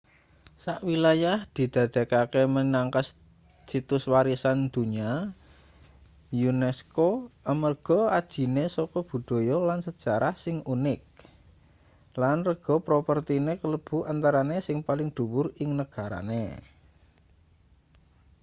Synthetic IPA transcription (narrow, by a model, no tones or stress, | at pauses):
saʔwilajahd̪̥i̤d̪̥ä̤d̪̥a̤kakemənaŋkas | sit̪ʊswaɾisand̪̥ṳɲa | junɛskoəmərɡ̥ɔ̤ad̥ʒ̥i̤nesɔkɔb̥ṳd̪̥o̤jɔlansəd̥ʒ̥a̤ɾahsɪŋunɪk̚ | lanrəɡ̥ɔ̤pɾopərt̪inekələb̥ṳant̪aɾanesɪŋpalɪŋd̪̥ṳwʊrɪŋnəɡ̥a̤ɾa̰nḛ